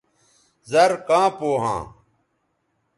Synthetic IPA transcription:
zɐɾkãːpoːɦã̰ː

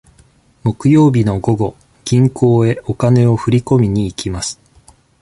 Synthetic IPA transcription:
mo̞kɯ̟jo̞ːbʲino̞ɡo̞ɡo̞ | ɡ̥ʲĩŋkʰo̞ːe̞o̞kane̞o̞ɸɯ̟ɾʲiko̞mʲiɲ̟iːkʲimasɨ̥

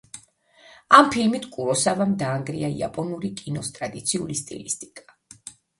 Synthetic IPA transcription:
ampʰilmit̪ʰkʼuɾɔsavamd̪aːŋɡɾḭaḭa̰pʼɔnuɾikʼinɔst̪ʼɾad̪it̪sʰiulist̪ʼḭlist̪ʼikʼḁ

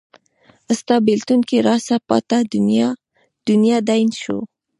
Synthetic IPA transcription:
əst̪ɑbɪlt̪unkeɾɑsapɑ̰t̪ad̪j | d̪̥ʊnjɑd̪ajnʃo̰

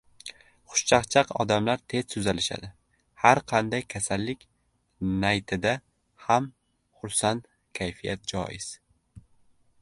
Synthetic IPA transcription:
χʊ̥ʃt͡ʃʰaχt͡ʃʰɑqɒ̰d̪amlaɾt̪ʰe̞z̥sʊzalɪʃa̰d̪ɪ | haɾqʰɑnd̪ajkʲʰasalːɪkʲ | najt̪ʰɪd̪a | ham | χʊɾsant̪ | kʲʰajfija̰t̪̚d͡ʒɒ̰jɪz̥

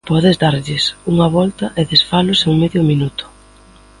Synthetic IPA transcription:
pɔðɪzd̪aɾʎɪsuŋɐβɔlt̪ɐʔeðesfalʊseŋmeðjʊminut̪ʊ̥

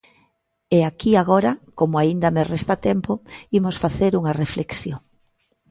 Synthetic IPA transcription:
eakiaɣoɾɐkomoaind̪ɐmerest̪at̪empoimosfaθeɾuŋarefleksjoŋ

